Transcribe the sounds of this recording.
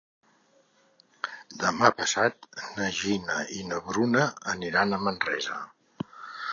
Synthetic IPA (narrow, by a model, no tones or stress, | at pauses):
d̪əmapəsat̪̚nəʒinəinəβɾunəːniɾanəmənrɛzə̰